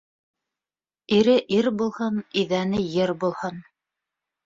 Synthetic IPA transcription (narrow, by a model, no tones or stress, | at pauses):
iɾɘʔiɾbulˠhɤniðænɘjɘɾbulˠhɤn